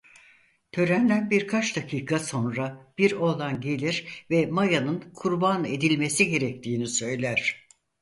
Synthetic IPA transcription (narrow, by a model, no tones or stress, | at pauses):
t̪ʰø̞ɾænd̪ʲænbiɾkʰat͡ʃd̪akʰiːkʰaso̞nɾab̥iɾo̞lˠanɟe̞lʲiɾvɛmajanɯnkʰuɾbane̞d̪ilʲme̞siɟe̞ɾɛc̚t̪ʰiːnisø̞jlʲæɾ̥